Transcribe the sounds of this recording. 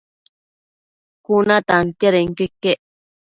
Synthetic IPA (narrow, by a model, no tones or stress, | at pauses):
kunat̪ant̪jaɾeŋkekːeʔ